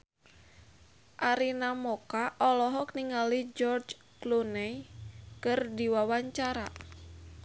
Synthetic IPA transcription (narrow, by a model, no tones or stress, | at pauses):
ʔaɾinamɔkaʔɔlɔɦɔkniŋalid͡ʒɔrd͡ʒ | klunɛjkɨrdiwawaɲt͡ʃaɾa̰